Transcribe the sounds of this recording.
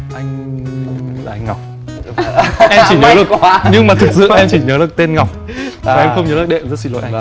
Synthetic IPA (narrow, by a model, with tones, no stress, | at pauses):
ʔa˧jŋ̟ | laː˨ʔa˧jŋ̟ŋɔ˨˩wk͡p̚ | ʔɛ˧mt͡ɕi˧˩ɲəː˨˦ɗɨ˨˩əɲɨ˧ŋmaː˨˩t̪ʰɨ˨˩k̚sɨ̰˧˨ʔɛ˧mt͡ɕi˧˩ɲəː˨˦ɗɨ˨˩ək̚t̪e˧nŋa˨˩wk͡p̚ | a˨˩ʔɛ˧mxə˧wŋ͡mɲəː˨˦l̚ːɗḛ˧˨ə˨mzə˦˥t̚si˧lo̰˧˨jʔa˧